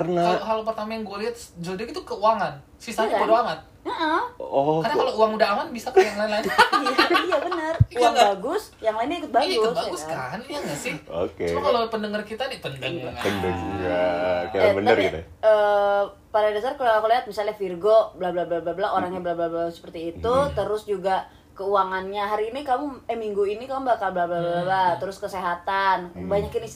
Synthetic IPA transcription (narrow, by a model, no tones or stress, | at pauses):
ənaokalop̬ərt̪amajaŋɡualiat̪sd͡ʒodaɡit̪ukəuaŋan | sisaɲəaŋan | əʔəɔadakalouaŋudaamanbisakialanlainaiabənərabaɡʊs | jaŋlainiikʊt̪̚baɡʊbaaɡʊskaniaɡasɪo̰kemakalopəndəŋərkit̪adipəndəŋaəndəŋjakaɾabənərɡit̪əː | paɾadasarkəlakoliat̪̚misalɲafirɡoblabəlablablablaʔoɾaŋjabəlablabaɡʊsə̥pərt̪iːt̪ut̪əɾʊsd͡ʒuɡa | kəuwaŋanɲaɦaɾiːnikamuɛmiŋɡuinikamubakalbəlablablabat̪əɾʊskəseɦat̪anbaɲakɪnis